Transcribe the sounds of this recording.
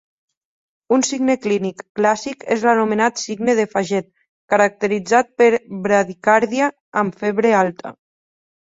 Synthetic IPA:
unsiɡneklinikːlasikḛzlanumenat̪siɡneðefaʒɛt̪̚ | kəɾak̚t̪əɾid͡zat̪̚pəɾβɾaðikaɾðiaː | mfeβɾealˠt̪ʰə̰

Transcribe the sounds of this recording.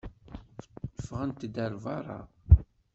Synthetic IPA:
fəəfʁənt̪d̪əɾvɑɾˤɑ̰

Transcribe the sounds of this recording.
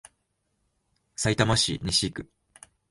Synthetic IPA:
sait̪amaɕḭɲʲiɕikɯ̟

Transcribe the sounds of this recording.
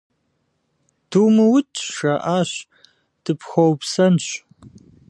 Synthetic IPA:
d̥umɨwʊtʰʼʃɐʔaːɕ | d̥ɨpxɐwpsɐnɕ

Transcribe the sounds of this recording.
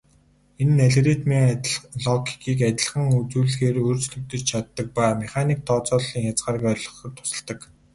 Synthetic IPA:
enːæɮret̪meɮɔɡʲi̥kiːkæt̪ʲɪ̆ɮ̆ʁə̆ŋut͡suːɮxeːɾoːrt͡sɮɵ̆wt̪ɵ̆t͡ɕt͡ɕʰat̪ːə̆k̚pæːmeχaniːk̚t̪ʰɔːt͡sɔːɮiːŋjat͡sɢaːrkœːrʲɮɞ̆χɞ̆rt̪ʰʊ̥sə̆ɮt̪ə̆k

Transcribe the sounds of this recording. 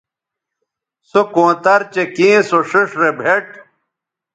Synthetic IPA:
sokõːt̪ɐɾt͡ɕekĩːsoʂiʂɾebʱeʈ̚

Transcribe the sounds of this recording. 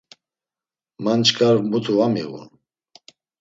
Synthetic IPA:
mant͡ʃkʰʼaɾmut̪ʰuvamḭɣṵn

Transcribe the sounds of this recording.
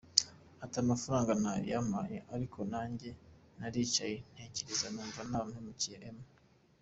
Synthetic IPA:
atamafuɾaːŋɡanajḭjama̰jḛʔaɾikʰo̞naːɲɟe̞ | naɾiːt͡ʃajen̥heciɾizanuːɱvanaːmhemuciʔeme

